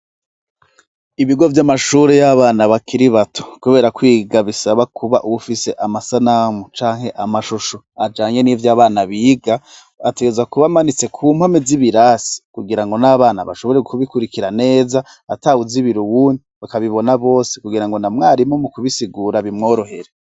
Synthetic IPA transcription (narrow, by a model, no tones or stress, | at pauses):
iβiɡo̞vjamaʃuːɾejaβaːnaβakʰiɾiβatʰo̥kuβe̞ːɾakwiːɡaβisaβakʰuβaʔuβufise̞ʔamasanamut͡ʃaːŋhe̞ʔamaʃuʃo | ad͡ʒaːɲe̞nivjaːβaːnaβiːɡa | ate̞ɡe̞zwakuβamanit͡se̞kʰuːm̥hameziβiɾaːsi̥kuɡiɾaŋɡo̞naβaːnaβa̰ʃo̞βo̞ɾeɡukuβikuɾikiɾane̞ːza | atauziβiɾuwuːndiβakaβiβo̞naβo̞ːse̞kuɡiɾaŋɡo̞namŋaːɾimo̞mukuβisiɡuːɾaβimŋo̞ːɾo̞ɦe̞ɾe